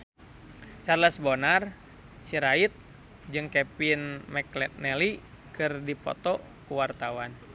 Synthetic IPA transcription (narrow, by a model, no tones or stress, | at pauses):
t͡ʃarlasbonar | siɾait̪̚ | d͡ʒɨŋkɛpinmɛklɛt̪̚nɛli | kɨrdipɔ̰t̪ɔ | kuwart̪awan